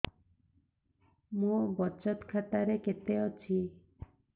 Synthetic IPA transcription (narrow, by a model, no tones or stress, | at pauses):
mũbɔt͡ʃɔt̪kʰaʈ̪aɾeket̪eɔt͡ʃʰi